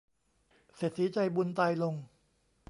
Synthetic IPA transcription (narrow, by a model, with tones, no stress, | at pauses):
se˨˩siː˩˦t͡ɕa˧jbu˧nt̪aː˧jlo˧ŋ